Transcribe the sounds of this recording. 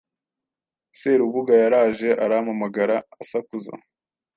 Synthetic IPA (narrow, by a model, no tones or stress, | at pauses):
seɾuβuɡajaɾaːʒe̞ʔaɾamamaɡaɾaːsakuza̰